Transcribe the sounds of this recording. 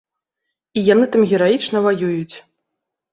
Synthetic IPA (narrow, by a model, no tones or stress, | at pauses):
ijanɨt̪amɣʲɛɾajit͡ʂnɐvajujut͡sʲ